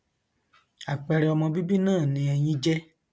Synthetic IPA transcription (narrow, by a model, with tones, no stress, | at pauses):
a˨k͡pɛ˧ɾɛ˨ɔ˧mɔ̃˧bi˦bi˦nãː˦˨nĩ˧ɛ˧j̃ĩ˦d͡ʒɛ˦